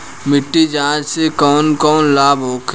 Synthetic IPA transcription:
mɪʈːid͡ʒãːd͡ʒsekɔːnkɔːnlaːbɦoːkʰ

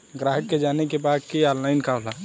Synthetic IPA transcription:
ɡɾaɦəkːed͡ʒanekebad̪̚kianlaɪnkala

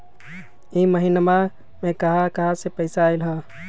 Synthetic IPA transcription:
iməɦinma | mẽkəɦakəɦasepəɪsaːɪlɦə

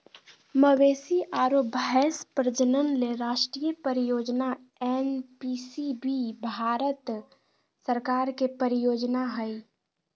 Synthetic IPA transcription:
məweːsiʔaːɾoːbʱəɦɛspɾəd͡ʒənənleɾaːʃʈɾiːjəpəɾɪjoːd͡ʒna | enpiːsibibʱaːɾət̪ | səɾkaːɾkepəɾɪjoːd͡ʒnaɦɛi

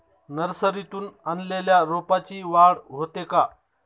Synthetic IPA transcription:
nəɾsəɾit̪uːnanleljaɾopat͡ɕiːʋaɽɦot̪eka

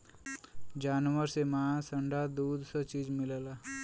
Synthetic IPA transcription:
d͡ʒaːnwəɾsemasəɳɖad̪uːd̪sət͡ʃiːd͡ʒmɪləlaː

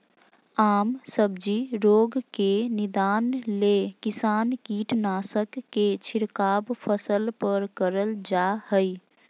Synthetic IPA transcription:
aːmsəb̚d͡ʒiɾoːɡkenɪd̪aːnlekɪsaːnkiːʈnaːsəkːet͡ʃʰɪɾkaːbpʰəsəlpəɾkəɾəld͡ʒaɦəi

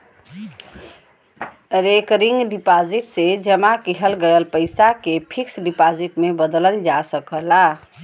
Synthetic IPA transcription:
ɾekɾiŋɡɖipad͡ʒiʈsed͡ʒəmakiɦəlɡəəlpəɪsakepʰiksɖipad͡ʒiʈmebəd̪ələnd͡ʒasəkəla

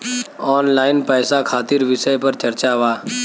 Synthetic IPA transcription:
ɔːnlaːɪnpəjsakʰaːt̪iɾʋɪsəjpəɾt͡ʃəɾt͡ʃaʋaː

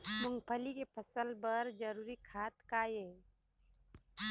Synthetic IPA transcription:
mʊŋɡpʰəlikepʰəsəlbəɾd͡ʒəɾuːɾikʰaːt̪kaje

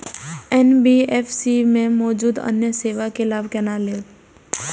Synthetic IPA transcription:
ɛnbiɛfsimẽmɔːd͡ʒuːd̪ə̰njəseːʋakelaːbkɛnaːleː

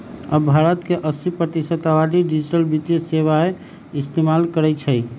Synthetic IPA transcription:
əbbʱaɾət̪keʔəsipɾət̪isət̪abad̪iɖid͡ʒiʈəlbit̪jeseβae | ist̪emalkəɾɛt͡ʃʰəj

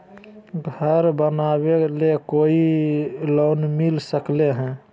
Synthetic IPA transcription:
ɡʱəɾbənaβelekoilonmilsəkleɦɛ̃

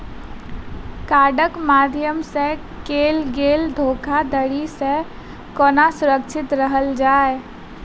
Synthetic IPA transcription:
kaːɖəkmaːd̪ʱjəmse | keːlɡeːld̪ʱoːkʰad̪əɽise | koːnasʊɾəkt͡ʃʰɪt̪ɾəɦəld͡ʒaːe

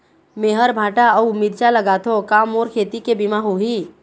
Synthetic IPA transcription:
meɦəɾbʱaːʈaɔʊmid̪t͡ʃaləɡat̪ʰokaːmoːɾkʰeːt̪ikebimaɦuɦiː

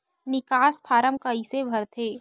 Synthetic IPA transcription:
nɪkaːspʰaːɾəmkɐisebʱɐɾt̪ʰeː

